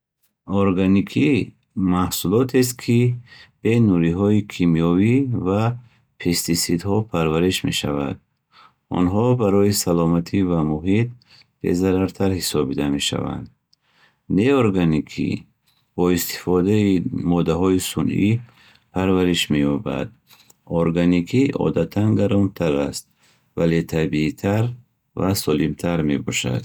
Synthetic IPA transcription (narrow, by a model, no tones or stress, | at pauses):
ɔɾɡanikʰi | mahsulɔt̪ʰes̬t̪̚kʰib̥e̞nuɾiɦɔikʰimijɔviva | pʰest̪isid̪hɔpʰaɾvaɾiʃmḛʃa̰va̰d̪̚ | ɔ̰nɦɔbaɾɔisalɔmat̪ʰivamuɦit̪̚ | b̥e̞̰zaɾaɾt̪ʰaɾhisɔbbid̪ame̞ʃa̰va̰nd̪ | neoɾɡanikʰḭ | bɔist̪i̥fɔd̪aimɔd̪aɦɔisunʔḭ | pʰaɾvaɾiʃmejɔba̰d̪ | ɔɾɡanikʰiɔ̰d̪at̪ʰanɡaɾɔnt̪ʰaɾast̪̚ | valet̪ʰabiːt̪ʰaɾ | vasɔlimt̪ʰaɾme̞̰bɔʃa̰d̪̥